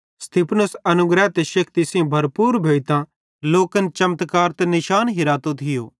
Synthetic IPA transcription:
st̪iːpʰnʊsɐnʊɡɾɛt̪eʃɐkʰt̪isĩbʱɐɾpuːɾbʱeːit̪ã | loːkənt͡ʃɐmt̪kaːɾt̪ɛnɪʃaːnɦɪɾaːt̪ot̪ʰɪjo̰ː

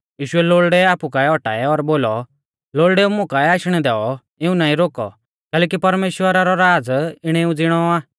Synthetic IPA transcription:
jiːʃʊɛloːɭɖɛaːpukaɛɔʈa̰ːɛɔɾboːlɔ | loːɭɖɛũmʊ̃kaɛaːʃɽ̃ɛd̪ɛɔ | ɪũnaːĩɾoːkɔ̰ | kɛːlɛːkipɐɾmeːʃwəɾaɾɔɾaːd͡zɪɽ̃ɛũd͡zɪɽ̃ɔaː

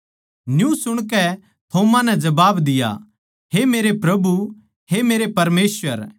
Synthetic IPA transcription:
njũsʊɽ̃kɛ | t̪ʰoːmãnɛd͡ʒɐbaːbd̪ɪja̰ | ɦemeːɾepɾɐbu | hemeːɾepɐɾmeːsʋəɾ

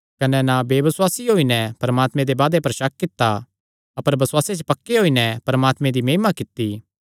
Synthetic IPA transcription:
kɐnɛnabeːʋɐswaːsiɦoːinɛpɐɾɐmaːt̪mẽd̪ebaːd̪epɐɾʃɐk̚ːɪt̪ːa | ɐpəɾbɐswaːset͡ʃpɐkːeɦoːinɛpɐɾɐmaːt̪mẽd̪imeːmakɪt̪ːi

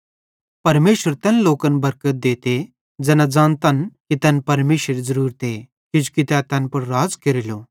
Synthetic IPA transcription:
pɐɾmeːɕʋəɾt̪janlokənbɐɾkət̪̚d̪et̪e | d͡zɛnad͡zaːnt̪ankit̪janpɐɾmeːɕəɾd͡zəɾuːɾt̪e | kid͡ʑu̥kit̪jãt̪jãnpəɽɾaːd͡zkeɾilo

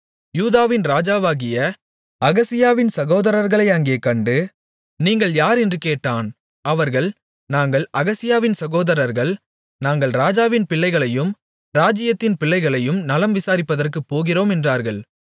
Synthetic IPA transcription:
juːðaːʋɪnɾaːd͡ʒaːʋaːɣɪjɐ | ɐɣɐsɪjaːʋɪnsɐɣoːðɐɾɐɾɣɐɭɐɪɐŋɡeːkɐɳɖɯ | niːŋɡɐɭjaːɾɛndrɯkeːʈːaːn | ʔɐʋɐɾɣɐɭ | naːŋɡɐɭʔɐɣɐsɪjaːʋɪnsɐɣoːðɐɾɐɾɣɐɭ | naːŋɡɐɭɾaːd͡ʒaːʋɪnpɪɭːɐɪɣɐɭɐjɯm | ɾaːd͡ʒɪjɐt̪ːɪnpɪɭːɐɪɣɐɭɐjɯmnɐlɐmʋɪsaːɾɪpːɐðɐrkɯpːoːɣɪroːmɛndraːɾɣɐɭ

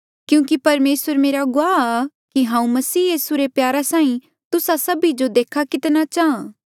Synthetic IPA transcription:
kjũːkipɐɾmeːsəɾmeːɾaɡʊaːa | kiɦãːũmɐsiːjiːsuɾepjaːɾasãːĩ | t̪ʊsasɐbid͡ʒod̪eːkʰakɪt̪nat͡ʃaːã

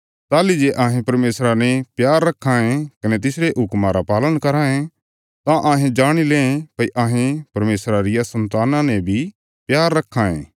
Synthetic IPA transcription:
t̪aːlid͡ʒeʔãːɦẽpɐɾmeːsɾanɛpjaːɾːɐkʰːãẽkɐnɛt̪ɪsɾeʔɦʊkmãɾapaːləɽ̃kɐɾaːẽ | t̪ãʔãːɦẽd͡ʒaːɽ̃ileːẽpɐiʔaːɦẽpɐɾmeːsɾaɾɪjasɐ̃nt̪aːnãnɛbʱi | pjaːɾːɐkʰːãḛ̃ː

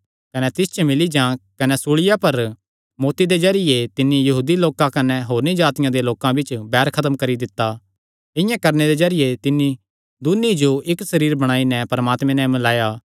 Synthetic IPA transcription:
kɐnɛt̪ɪst͡ʃmɪlid͡ʒãkɐnɛsuɭɪjapɐɾ | moːt̪id̪ed͡ʒɐɾɪjet̪ɪnːijɐɦuːd̪iloːkãkɐnɛɦoːɾnid͡ʒaːt̪ɪjãd̪eloːkãbʱɪt͡ʃbɛːɾkʰɐt̪mkɐɾid̪ɪt̪ːa | ɪ̃jãkɐɾned̪ezɐɾɪjet̪ɪnːi | d̪ʊnid͡ʒoʔɪksɐɾiːɾbɐɽ̃aːinɛpɐɾɐmaːt̪mẽnɛ̃mɐlaːjaː

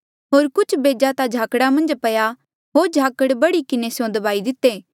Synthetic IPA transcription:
ɦoːɾkʊt͡ʃʰbeːd͡ʒat̪ad͡ʒʱaːkɽamɐ̃nd͡ʒpɐja | ɦoːɾd͡ʒʱaːkəɽbɐɽikɪnesjõd̪ɐbaːid̪ɪt̪ːeː

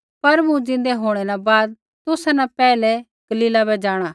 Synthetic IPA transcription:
pɐɾbũd͡ʒɪ̃nd̪ɛɦoːɽ̃ɛɾabaːd̪̚ | t̪ʊsanãpɛːlɛ | ɡ̥ɐliːlabɛd͡ʒaːɽ̃aː

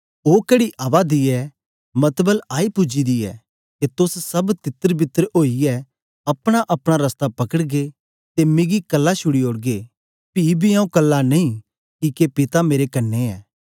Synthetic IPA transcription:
oːkɛɽiʔɐːʋad̪iɛ | mɐt̪bəlaːipʊd͡ʒid̪iɛ̰ | k̪et̪ʊssɐbt̪ɪt̪ːəɾbɪt̪ːəɾoːiɛ | ɐpɽ̃aʔɐpɽ̃aɾɐst̪apɐkəɽɡe | t̪emɪɡikɐlːaʃʊɽioːɽɡe | piːbʱiãːũkɐlːanɐĩ | kikepɪt̪ameːɾekɐnːeɛ̰ː

